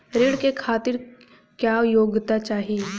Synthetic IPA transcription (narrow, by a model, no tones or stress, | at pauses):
ɾɪɽkekʰaːt̪ɪɾ | kjaːjoːɡt̪at͡ʃaːɦi